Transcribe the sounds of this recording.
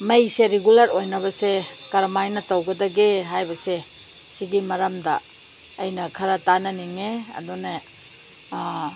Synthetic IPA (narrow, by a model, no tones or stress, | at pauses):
mɐjseɾeɡulɐɾojnɐbɐsekɐɾmajnɐtɐwɡɐdɐɡeɦajbɐse | siɡimɐɾɐmdɐ̰ː | jnɐkʰɐɾɐtanɐniŋeɐ̰dune